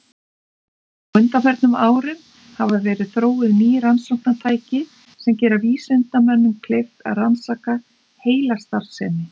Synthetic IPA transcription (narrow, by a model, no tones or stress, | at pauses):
ʏnt̪afɛɾt̪nʏmaːwɾɪm | havaðvɛːɾɪðθɾoːwɪðniːɾansakt̪at̪ʰaːjcɪ | sɛmcɛːɾaviːsɛnt̪amœnːʏmkʰlejft̪a̰ðransaːka | heːjlast̪aɾsɛ̰ːnɪ